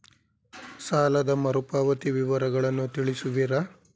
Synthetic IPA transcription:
saːlɐd̪ɐmɐɾupaːʋɐt̪iʋiʋɐɾɐɡɐɭɐnːut̪iɭisuʋiɾɐ

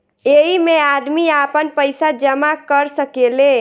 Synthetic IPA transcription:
eɦimead̪miapənpəɪsad͡ʒəmakəɾsəkele

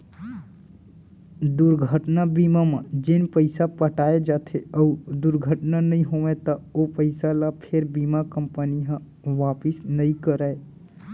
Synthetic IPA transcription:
d̪uɾɡʱəʈnabimamẽd͡ʒenpəɪsapəʈaed͡ʒat̪ʰeəud̪uɾɡʱəʈnanəĩɦoʋet̪əopəɪsalapʰeɾbimakəmpəniɦə̃ | ʋapisnəĩkəɾəe

